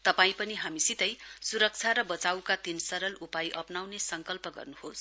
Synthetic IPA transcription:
t̪ʌpaĩpʌniɦamisit̪ʌjsuɾʌk̚t͡sʰaɾʌbʌt͡sawkat̪insʌɾʌlupajʔʌpnawnesʌŋkʌlpʌɡʌ̰rnuhos

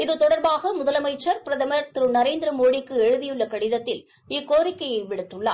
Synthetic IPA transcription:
ɪðɯt̪ɔɽɐɾbaːɣɐmʊðɐlɐmɐɪt͡ʃːɐɾpɪɾɐðɐmɐɾt̪ɪɾɯnɐɾeːnd̪ɪɾɐmoːɽɪkːɯɛɻɯðɪjɯɭːɐkɐɽɪðɐt̪ːɪl | ɪkːoːɾɪkːɐjɐɪʋɪɽɯʈːɯɭːa̰ː

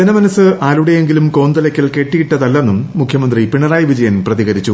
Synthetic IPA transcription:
d͡ʑenɐmɐnɐsːɨʔaːluɽeje̞ŋɡilumko̞ːnd̪ɐlɐkʲːɐlke̞ːʈːijiʈːɐðɐlːenːumːukʰjɐmɐnd̪ripiɳɐraːjʋid͡ʑɐjɐnprɐðiɣɐɾit͡ɕːu

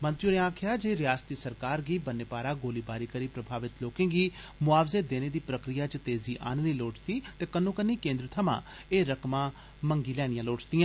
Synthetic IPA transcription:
mə̃nt̪ɾjuɾẽãːkʰjaːd͡ʒeːɾɪjaːst̪iːsəɾkaːɾɡiːbənːeːpaːɾaːɡoːliːbaːɾiːkəɾiːpɾəbʱaːʋɪt̪loːkẽːɡiːmʊaːʋzeːd̪eːneːd̪iːpɾəkɾɪjaːt͡ʃət̪eːziːʔa̰ːnniːloːʈt̪iːt̪eːkənːõːkənːiːkẽːnd̪ɾət̪ʰəmã̰ː | eːɾəkmãː | məŋɡiːlɛːɽ̃ɪjãːloːʈt̪ɪjãː

